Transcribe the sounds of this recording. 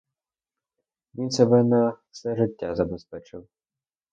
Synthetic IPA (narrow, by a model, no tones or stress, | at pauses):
ʋʲinsɛbɛnɐfsɛʐɪtʲːazɐbɛspɛt͡ʃɪw